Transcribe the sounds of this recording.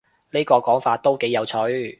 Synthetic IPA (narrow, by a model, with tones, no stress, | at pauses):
neː˥kɔː˧kɔː˨˥ŋfaː˧t̚t̪ːo˥wke˨˥jɐ˨˧wt͡sʰɵ˨˥ɥ